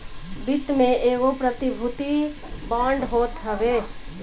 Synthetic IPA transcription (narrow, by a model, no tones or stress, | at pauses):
bɪt̪mẽʔeːɣopɾət̪ibʱʊt̪i | bãːɳɖɦoːt̪ɦəʋe